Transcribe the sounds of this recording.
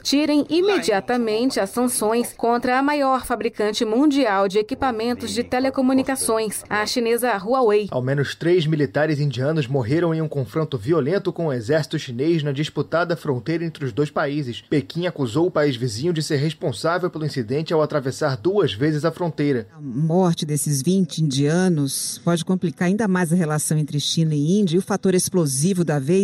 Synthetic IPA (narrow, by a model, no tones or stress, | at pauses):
t͡ʃiɾẽj̃ʔimed͡ʒiat̪ɐmẽnt͡ʃɪɐsɐ̃sõj̃skõnt̪ɾɐːmajɔɾfabɾikɐ̃nt͡ʃɪmũnd͡ʒiawd͡ʒɪekipamẽnt̪ʊzd͡ʒɪt̪elekomunikasõj̃sɐʃinezɐɦuɐweja̰wmẽnʊst̪ɾejzmilit̪aɾɪzĩd͡ʒiɐ̃nʊzmoɦeɾɐ̃w̃ẽj̃ũkõfɾõnt̪ʊviolẽnt̪ʊkõʊezɛɾsi̥t̪ʊʃinejznɐd͡ʒisput̪ad̪ɐfɾõnt̪ejɾɐẽnt̪ɾɪʊzd̪ojspaizɪspekĩakuzowʊpaizvizĩɲʊd͡ʒɪseɾɦespõsavewpelʊĩsid̪ẽnt͡ʃɪawat̪ɾavesaɾd̪uɐzvezɪzɐfɾõnt̪ejɾɐɐmɔɾt͡ʃɪd̪esɪzvĩnt͡ʃɪĩnd͡ʒiɐ̃nʊspɔd͡ʒɪkõmplikaɾaĩnd̪ɐmajzɐɦelasɐ̃w̃ẽnt̪ɾɪʃĩnɐɪĩd͡ʒiɐiʊfat̪oɾesplozivʊd̪ɐvej